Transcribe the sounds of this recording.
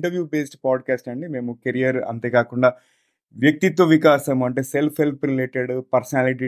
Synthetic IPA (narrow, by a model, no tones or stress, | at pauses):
ɳʈɐɾʋjuːbeːsʈpaːɖkaːsʈɐɳɖime̞ːmukeɾijɐɾɐ̰nt̪eːkaːkuɳɖaː | ʋjɐk̚t̪it̪ʋɐʋikaːʃɐmuɐɳʈe̞ːse̞lpʰɦe̞lpʰɾileːʈeɽpɐɾsɐnaːliʈ̬i